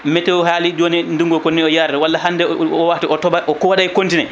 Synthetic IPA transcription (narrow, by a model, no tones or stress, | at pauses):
mɛtɛwɔɦaːlid͡ʒoːninduŋɡɔkonːiɔjaɾɗɛwalːaɦandɛɔwatiɔtɔbaʔɔkɔɗajkontinɛ